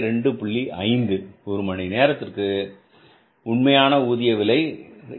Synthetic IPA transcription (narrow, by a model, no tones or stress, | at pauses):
ɾɛɳɖɯpʊɭːiʔɐɪnd̪ɯɔɾɯmɐɳineːɾɐt̪ːɪrkɯ | ʊɳmɐjaːnɐuːðɪjɐʋɪlɐɪ